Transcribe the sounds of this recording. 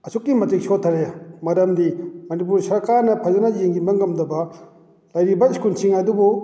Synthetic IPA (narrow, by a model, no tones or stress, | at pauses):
ɐsokːimɐtik̚sot̪ʰːaɾemɐɾɐmdimɐnip̬uɾsɐɾkaɾnɐpʰɐzanajeŋɡimɐŋɡɐmdɐbɐ | lɐjɾibɐskunsʰiŋɐdubu